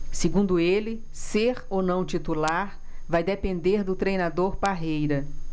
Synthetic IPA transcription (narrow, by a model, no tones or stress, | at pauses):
sɪɡũnd̪ʊelɪ | seɾownɐ̃w̃t͡ʃit̪ulaɾ | vajd̪epẽnd̪eɾd̪ʊt̪ɾejnad̪oɾpaɦejɾɐ